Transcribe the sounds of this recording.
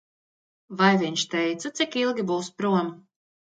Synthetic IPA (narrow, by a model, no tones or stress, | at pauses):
vajviɲʲʃt̪ɛjt̪sat̪sikilˠɡʲibuːspɾuɔm